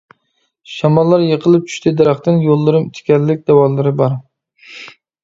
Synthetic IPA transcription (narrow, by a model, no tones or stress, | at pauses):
ʃamɒlˠːaɾjeqʰɨlˠɪp̚t͡ʃʰʊ̥ʃt̪ʰɪd̪aɾaχt̪ɪnjolˠːɪɾɪmt̪ʰɪ̥kʲʰalːɪk̚ʲd̪̥awɒlːɪɾɪbɒɾ